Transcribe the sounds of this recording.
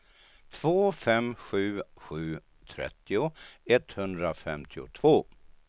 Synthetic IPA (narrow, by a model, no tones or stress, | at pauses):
t̪ʰv̥oːfɛmɧʉ̟ːɧʉ̟ː | t̪ʰɾɛ̰t̪ːɪʊɛt̪hɵnd̪ɾafɛmt̪ʰɪʊ̰t̪ʰv̥oː